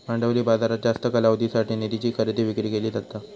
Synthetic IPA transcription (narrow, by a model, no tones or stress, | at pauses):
maɳɖəʋɾiːbad͡zaɾad͡ʑast̪əkəlaʋd̪isaʈiːnid̪it͡ɕiːkʰəɾət̪iːʋikɾiːkeliːd͡zat̪ːa